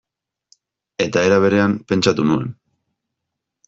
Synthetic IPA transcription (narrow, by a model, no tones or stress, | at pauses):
e̞t̪ae̞ɾaβ̞e̞ɾe̞ampe̞nt͡ʃat̪unue̞̰n